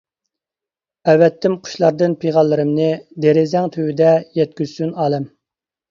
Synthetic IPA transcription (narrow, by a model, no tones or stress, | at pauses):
ɛwːɛt̪ʰːɪmqʰʊ̥ʃlˠɑɾd̪ɨnpʰeʁɑlˠːɨɾɨmnɨd̪eɾɪzɛŋt̪ʰøwyd̪ɛjɛt̪̚kʲyz̥synɑːlˠɛm